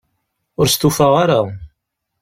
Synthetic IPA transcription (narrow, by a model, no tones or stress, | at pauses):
ʊɾst̪ufaʁaɾa